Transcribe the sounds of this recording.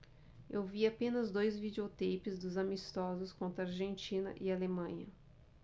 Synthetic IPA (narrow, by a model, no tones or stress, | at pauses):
ewviapẽnɐzd̪ojzvid͡ʒeot̪ejpɪzd̪ʊzamist̪ɔzʊskõnt̪ɾɐaɾʒẽnt͡ʃĩnɐ̰ʔialemɐ̃ɲɐ